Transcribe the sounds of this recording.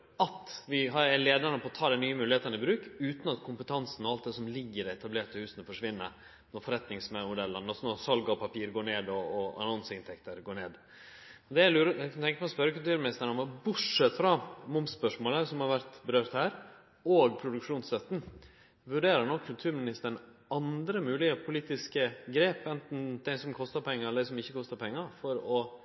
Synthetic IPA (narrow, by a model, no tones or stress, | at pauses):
ɑt̪ʋɪɦɑɾæleːd̪əɳəpʰɔːt̪ʰɑːd̪æɪnyːəmʉːlɪheːt̪ənɪbɾʉːkʉːt̪nɑt̪kʰʊmpət̪ʰɑnsn̩ɔɑlt̪̚d̪ɛsɔmlɪɡːəɾɛɛt̪ʰɑbleːʈ̪əhʉːsənəfɔʂʋɪnːə̰ɾ | nɔɾfɔɾɛt̪nɪŋsmɛmʊd̪ɛlːənɑsnɔɾsɑlɡɑɔpʰɑpʰiːɾɡoːɳeːd̪ɔːɑ̰nɑnsəɪnt̪ʰɛkt̪əɾɡoːɳeːd̪ | ɔd̪ɛælʉːɾækʰɑnt̪ʰɛŋkəpɔspœɾəkʉlt̪ʉːɾmɪnɪst̪əɳəmɔbʊʈʂɛt̪ːfɾɑmʊmspœʂmoːləsɔmhɑɾʋæɾt̪bəɾøːɾt̪hæːɾ | oːɡpʰɾʊd̪ʉkʂuːnst̪œt̪ːn̩ | ʋʉɖeːɾəɾɳɔkʰːʉlt̪ʰʉːɾmɪnɪst̪əɾɳ | ɑnd̪ɾəmʉːlɪəpʰʊliːt̪ɪskəɡɾeːpɛnt̪n̩d̪æɪsɔmkʰɔst̪əɾpʰɛŋːəɾɛləd̪æɪsɔmɪçːəkʰɔst̪əɾpʰɛŋːəɾfɔɾɔ